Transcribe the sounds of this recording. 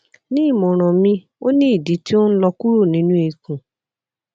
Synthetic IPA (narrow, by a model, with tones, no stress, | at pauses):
nĩ˦˨mo˨ɾ̃ɔ̃˨mĩ˧ | o˦nĩ˦i˦˨di˨˦ti˦o˦n̩˦lɔ˧ku˦ɾo˦˨nĩ˦nũ˦e˨kũ˨